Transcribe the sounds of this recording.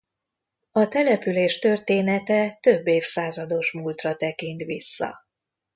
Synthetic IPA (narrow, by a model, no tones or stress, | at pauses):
ɒt̪ɛlɛpyleːʃt̪ø̞rt̪eːnɛt̪ɛt̪ø̞bːeːfsaːzɒd̪o̞ʃmuːlt̪rɒt̪ɛkint̪ʋisːɒ̰